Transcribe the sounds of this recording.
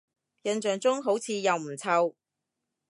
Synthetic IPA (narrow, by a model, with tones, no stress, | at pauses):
jɐ˨˧nt͡ʃœː˨ŋt͡sʊ˥ŋɦo˨˥wt͡sʰiː˨˧jɐ˨wm̩˨˩t͡sʰɐ˧w